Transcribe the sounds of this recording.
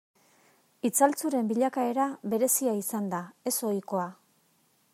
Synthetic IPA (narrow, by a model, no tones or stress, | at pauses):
it͡salt͡suɾe̞mbiʎakae̞ɾaβe̞ɾe̞siaisand̪ae̞so̞jko̞a